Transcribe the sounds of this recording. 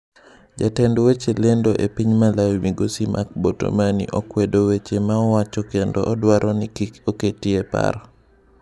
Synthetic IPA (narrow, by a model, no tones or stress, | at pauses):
d͡ʒatɛndwet͡ʃelendoʔepiɲmalawimiɡosimʔa̰k̚boto̰manḭʔɔkwedowet͡ʃemaɔwat͡ʃɔkendɔʔɔdwaɾʔɔnikikoketiepa̰ɾɔ